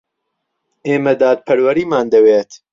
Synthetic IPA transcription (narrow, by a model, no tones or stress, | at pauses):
ʔeːmɐd̪aːt̪̚pʰɐɾwɐɾiːmaːnd̪ɐweːt̪